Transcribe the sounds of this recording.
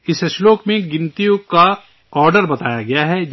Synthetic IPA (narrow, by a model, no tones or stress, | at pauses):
ɪsʃloːkmẽɡɪnt̪ijʊ̃ka | ɔːɾɖəɾbɐt̪aːjaɡɐjaɦɛ